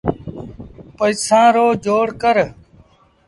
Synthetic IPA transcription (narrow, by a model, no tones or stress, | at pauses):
pəisãːɾoːd͡ʒoːɽkəɾ